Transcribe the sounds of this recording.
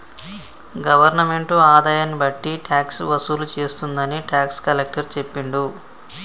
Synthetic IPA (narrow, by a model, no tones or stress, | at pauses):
ɡɐʋɐɾnɐme̞ɳʈuaːd̪aːjanːibɐʈːiʈʰjaːksʋɐsulut͡ʃe̞ːst̪und̪ɐniʈjaːkskɐlek̚ʈɐɾt͡ʃe̞pːiɳɖu